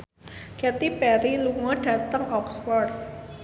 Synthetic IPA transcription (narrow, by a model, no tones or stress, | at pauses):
kɛt̪ipɛɾiluŋɔdɖ̥a̤t̪əŋɔksfɔrd̪̚